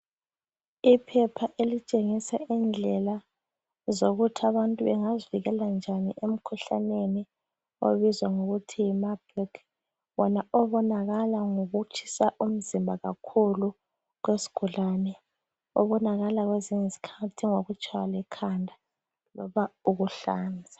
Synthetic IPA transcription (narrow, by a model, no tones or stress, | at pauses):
ipʰɛpʰaʔelit͡ʃʼeŋisaʔind͡ɮʱɛla | zoɣutʰiaβantʼuβɛŋaziviɣɛland͡ʒʱanḭʔem̩kʰuɬa̰neni | o̰βizwaŋuɣutʰimabrik | βɔnaɔβɔnaɣalaŋoɣut͡ʃʰi̥saʔum̩zimbʱaɣakʰulu | ɣwesi̥ɡ̥ʱulanɛ | ɔ̰βɔnaɣalaɣweziɲezi̥kʰatʰiŋoɣut͡ʃʰʼlɛkʰandʱa | lɔβauɣuɬa̰ːnd͡zʱḁ